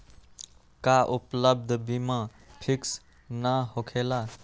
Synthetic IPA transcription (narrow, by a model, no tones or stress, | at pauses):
kaʔupləb̚d̪ʱbʱimã | pʰiks | naɦokʰela